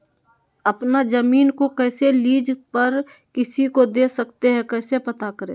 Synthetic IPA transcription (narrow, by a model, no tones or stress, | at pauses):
ɐpnazəmiːnkokɛːseliːd͡ʒpəɾ | kɪsikod̪eːsɐkt̪eɦɛ̃kɛːsepɐt̪akəɾḛ̃ː